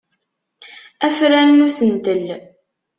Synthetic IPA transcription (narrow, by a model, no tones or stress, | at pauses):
æfɾænnusənt̪əl